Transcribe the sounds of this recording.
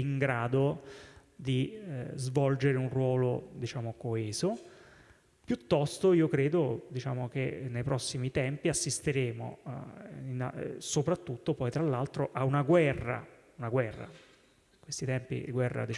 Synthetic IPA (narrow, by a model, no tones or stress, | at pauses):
iŋɡɾaːd̪o | d̪izvɔld͡ʒeɾeunrwɔːlod̪it͡ʃaːmokoeɛːzo | pjut̪ːɔst̪oiːokɾeːd̪od̪it͡ʃa̰ːmok̟enːejpɾɔsːimit̪ɛmpiasːist̪eɾeːmo̰ | ina̰sopɾat̪ːut̪ːopɔjt̪ɾalːalt̪ɾoʔaunaɡwɛrːa̰ | unaɡwɛrːa̰ | kwest̪it̪ɛmpḭɡwɛrːa̰d̪i